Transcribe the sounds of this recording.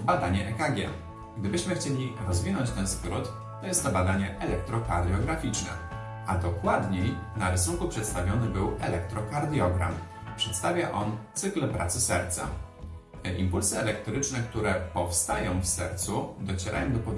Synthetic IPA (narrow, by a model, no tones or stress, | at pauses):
bad̪aɲɛʔɛkaɡʲjɛ̰ | ɡd̪ɘbɘɕmɘxt͡ɕelʲiɾɔzvʲinɔɲt͡ɕt̪ɛnskɾut̪ː | ɔjɛst̪ːɔbad̪aɲɛʔɛlɛk̚t̪ɾɔka̰ɾd̪ʲjɔɡɾafʲit͡ʂnɛ̰ | ʔad̪ɔkwad̪ɲejnaɾɘsuŋkupʂɛt̪st̪avʲjɔnɘbɘwɛlɛk̚t̪ɾɔkaɾd̪ʲjɔɡɾa̰m | pʂɛt̪st̪avʲjaʔɔnt̪sɘklpɾʔa̰t̪sɘsɛ̰ɾt̪sa̰ | ʔimpulsɘɛlɛk̚t̪ɾɘt͡ʂnɛk̚t̪uɾɛpɔfst̪ajɔ̃w̃fsɛ̰ɾt̪sud̪ɔt͡ɕɛɾʔa̰jɔ̃w̃d̪ɔpɔvʲ